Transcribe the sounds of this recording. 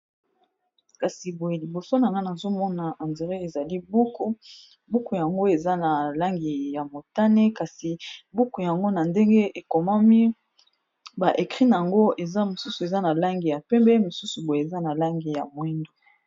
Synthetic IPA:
ka˨si˨bo˨e˨li˨bo˨so˦na˨ŋɡa˦na˨zo˦mɔ˦na˨ʔa˨nze˨ʁe˦e˨za˨li˦bu˦ku˦ | bu˦ku˨ja˨ŋɡo˦e˨za˦na˨la˦ŋɡi˨ja˨mo˨ta˦ne˦ka˨si˨bu˦ku˨ja˨ŋɡo˦na˨nde˦ŋɡe˦e˨kɔ˨ma˦mi˦ | ba˨ʔe˨kʁi˦na˨ŋɡo˦e˨za˦mo˨su˦su˨e˨za˦na˨la˦ŋɡi˨ja˨pɛ˦mbɛ˦mo˨su˦su˨bo˨e˨e˨za˦na˨la˦ŋɡi˨ja˨mwɛ˦ndo˨

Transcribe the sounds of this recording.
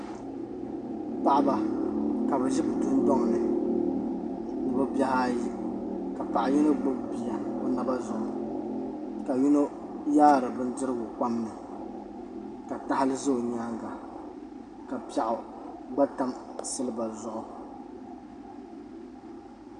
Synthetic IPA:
pa˨ʔa˦ba˨ka˨bɨ˨ʒɪ˦bɨ˨tu˦n˦dɔ˦ŋnɨ˨ | n̩˨bʊ˦bi˦a˦haː˦ji˦ | ka˨pa˨ʔa˨ju˦no˦ɡ͡bo˦bi˨a˨o˨na˨ba˦zʊ˨ʊ˨ | ka˨ju˦no˦jaː˦˨ɾɨ˨bɨ˦ndɨ˦ɾɨ˦ɡʊ˨k͡pa˦mnɨ˨ | ka˨ta˦ha˦lɨ˦zɨ˦˨ɲ˨a˦ŋɡa˨ | ka˨pa˨ʔʊ˨ | ɡ͡ba˦ka˦msɨ˦lɨ˦ba˨zʊ˨ʔʊ˨

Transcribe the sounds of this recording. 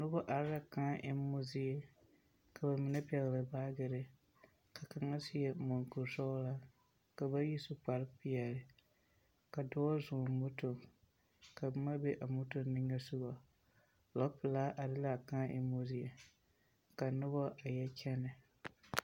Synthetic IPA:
nʊ˦bɔ˦ʔa˨ɾla˦ka˦ʔɪ˦mːʊ˦zɪ˦e˨ | ka˨ba˨mɪ˨nɛ˦pɛ˨ɣlɨ˨baː˦ɡɪ˨ɾɪ˦ | kʰa˨ka˨ŋa˦sɪ˦jɛ˦mo˨nkʊ˨sɔ˦la˦ | ka˨ba˦ji˦sʊ˦k͡pa˨ɾɨ˦pɪ˦˨ɛ˨lɪ˨ | ka˨dɔ˦ɔ˦zʊː˨mʊ˦tʊ˨ | ka˨bma˦be˦ʔa˨mʊ˦tʊ˦nɨ˦ŋɛ˦sʊ˦ɣɔ˨ | lɔ˦pɨ˨laː˦ʔa˨ɾɪ˦la˨kãː˦ʔɪ̰˦mːʊ˦zɪ˦e˨ | ka˨nʊ˦bɔ˦ʔa˨jɛ˦t͡ʃɛ˦nɨ˨

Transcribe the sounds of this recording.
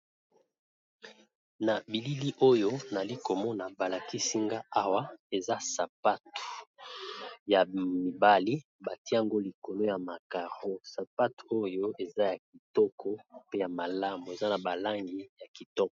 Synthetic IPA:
na˨bi˨li˦li˦ʔo˦jo˦na˨li˦ko˨mɔ˦na˨ba˨la˨ki˦si˦ŋɡa˦a˦wa˦e˨za˦sa˨pa˦tu̥˨ | ja˨mi˨ba˦li˦ | ba˨ti˦a˨ŋɡo˦li˨ko˨lo˦ja˨ma˨ka˨ʁo˦sa˨pa˦to˦jo˦e˨za˦ja˨k̚i˨tɔ˦kʰɔ˦pe˦ja˨ma˨la˦mu˨e˨za˦na˨ba˨la˦ŋɡi˦ja˨ki˨tɔ˦kɔ̥˨

